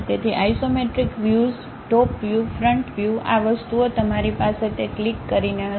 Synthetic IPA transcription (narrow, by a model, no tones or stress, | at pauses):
t̪et̪ʰiʔaisomeʈɾikʋjuz | ʈɔpʋjufɾəɳʈʋjua̰ʋəst̪uot̪əmaɾipaset̪eklikːəɾine